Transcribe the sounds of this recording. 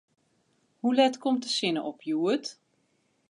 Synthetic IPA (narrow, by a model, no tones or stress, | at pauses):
hulɛtkɔmtəsɪnəʔɔpʰjuːət